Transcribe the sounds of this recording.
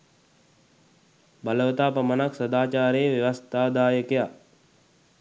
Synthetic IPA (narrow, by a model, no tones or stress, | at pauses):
bələʋət̪aːpəmənaksəd̪aːt͡ʃaːɾeːʋjeʋəst̪ʰaːd̪aːjəkeja